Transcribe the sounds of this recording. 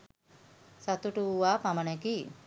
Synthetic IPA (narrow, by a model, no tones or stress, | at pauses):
sat̪uʈuuʋaːpamənɛki